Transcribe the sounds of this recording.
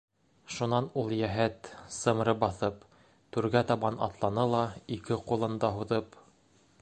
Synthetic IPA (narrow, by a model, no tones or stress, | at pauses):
ʃunɑnulˠjæɦæt̪sɤ̆m̆ɾɤbɑθɤp | t̪ʉɾɡæt̪ɑβɑnɑ̰t̪lˠɑnɤlˠɑikɘqulˠɤ̆nd̪ɑɦuðɤp